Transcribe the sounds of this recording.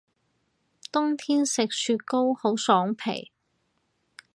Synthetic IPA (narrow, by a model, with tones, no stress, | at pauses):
t̪ʊ˥ŋt̪ʰiː˥nsɪ˨k̚syː˧t̚ko˥who˨˥wsɔː˨˥ŋpʰḛ˨˩j